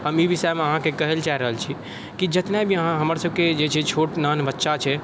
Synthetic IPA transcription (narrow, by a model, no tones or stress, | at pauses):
ɦəmibʱisɛmeəɦãkekəɦelt͡ʃaiɾəɦəlt͡ʃʰi | kid͡ʒət̪nabʱiəɦãɦəməɾsəb̚ʱked͡ʒet͡ʃʰɛt͡ʃʰoʈnanbətːʃat͡ʃʰɛ